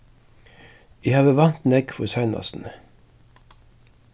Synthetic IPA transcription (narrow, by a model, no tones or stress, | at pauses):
ihɑːʋəʋɑnt̪nɛɡfɔsɑɪnɑ̰sn̩